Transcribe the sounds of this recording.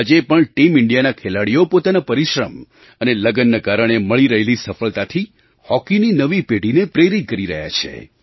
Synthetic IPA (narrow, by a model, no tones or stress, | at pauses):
ad͡ʒepəɳʈimɪɳɖijanakʰelaɽijopot̪anapəɾiʃɾəm | əneləɡənːəkaɾəɽ̃eməɭiɾəɦelisəfəɭt̪at̪ʰi | hɔkininəʋipeɽinepɾeɾit̪̚kəɾiɾə̰ɦja̰t͡ʃʰḛ